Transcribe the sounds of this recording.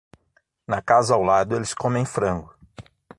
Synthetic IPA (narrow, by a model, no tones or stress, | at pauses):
nɐkazɐawlad̪ʊelɪskõmẽj̃fɾɐ̃ŋɡʊ